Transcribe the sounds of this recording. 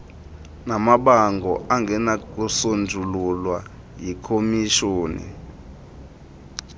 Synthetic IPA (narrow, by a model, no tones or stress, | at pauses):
namaɓaŋɡʱɔʔaŋɡʱɛnak̬ʼusond͡zʱululwa | jikʰomiʃoːnḭ